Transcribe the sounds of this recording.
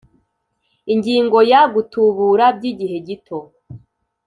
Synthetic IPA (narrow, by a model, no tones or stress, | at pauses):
iɲɟiːŋɡo̞jaɡutuβuɾabɟiːɟiɦe̞ɟitʰo